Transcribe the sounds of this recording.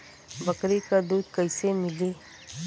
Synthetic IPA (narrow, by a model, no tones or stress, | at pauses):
bɐkɾikad̪uːd̪kɐɪsemɪli